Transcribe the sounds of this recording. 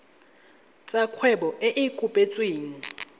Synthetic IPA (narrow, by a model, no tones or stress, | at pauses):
t͡sʼakʰwɛɓɔʔeʔikʼupʼet͡sʼweːŋ̩